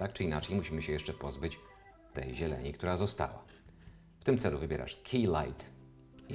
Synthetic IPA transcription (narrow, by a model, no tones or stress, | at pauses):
t̪ak̚t͡ʂɘinat͡ʂɛjmuɕimɘɕɛjɛʂt͡ʂɛpɔzbɘt͡ɕ | t̪ɛjʑɛlɛ̰ɲikt̪uɾazɔst̪a̰wa̰ | ft̪ɘmt̪sɛluvɘbʲjɛɾʔa̰ʂkʲʰila̰jt̪